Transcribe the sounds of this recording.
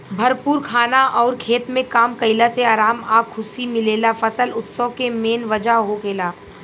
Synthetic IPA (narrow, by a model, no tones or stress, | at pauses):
bʱɐɾpuːɾkʰaːnaʔɔːɾkʰeːt̪mẽkaːmkɐɪlaseaːɾaːmaːɡkʰʊsimɪleːlafɐsəlʊt̪sɔkemeːnʋɐd͡ʒaɦokeːlaː